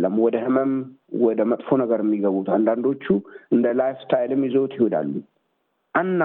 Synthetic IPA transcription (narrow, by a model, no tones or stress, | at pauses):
lːəmːwɔd̪əhɨməmwɔd̪əmət̪ʼfo̞nəɡəɾjɛmːiɡəβut̪and̪and̪o̞t͡ʃːuɨnd̪əlajft̪ʰajlɨmjɛzowt̪jɪho̞d̪a̰lːu | ʔanːa